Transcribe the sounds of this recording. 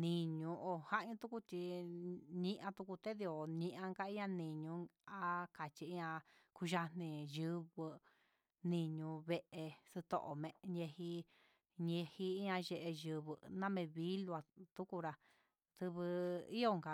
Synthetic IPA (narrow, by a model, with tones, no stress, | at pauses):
nĩ˧ɲũ˧ʔo˨ha˦ʔɲũ˧t̪u˦ku˦t͡ʃ̪i˧ | ɲĩ˧ʔã˧t̪u˧ku˧t̪e˦ði˧o˨ɲĩ˧ʔã˧ŋka˦i˦ɲã˧nĩ˨ɲũ˧ | a˦ka˨t͡ʃi˧i˦ɲã˧ku˧ʒa˧nĩ˧jɨ˧βɨ˧ | nĩ˧ɲũ˧βe˧ʔe˧sɨ˧t̪o̰˧ʔo˨mẽ˧ɲẽ˧hi˧ | ɲẽ˧hi˧i˦ɲã˧ʒe˧ʔe˧ʒɨ˧βɨ˧nã˦mẽ˧βi˦lu˧a˧t̪u˦ku˧ɾa˧ | t̪ɨ˧βɨ˧i˦jo˦˧ŋka˧